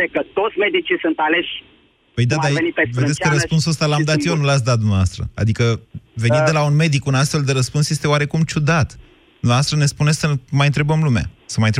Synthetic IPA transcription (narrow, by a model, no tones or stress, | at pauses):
ekət̪ot̪sʲmed̪it͡ʃisɨnt̪aleʃʲ | pəjd̪ad̪aenipeved̪eskkəɾəspunsəst̪alammd̪at̪jenulat̪s̬ʲd̪at̪̚d̪umneva̰st̪ɾə̰a̰d̪ikəve̞nid̪e̞launme̞d̪ikunast̪fe̞ld̪e̞ɾəspunsje̞st̪eoaɾe̞kumt͡ʃud̪at̪ | d̪umnevast̪ɾəne̞spune̞səmajɨnt̪ɾe̞bəmlumea̰səmajnt̪ɾe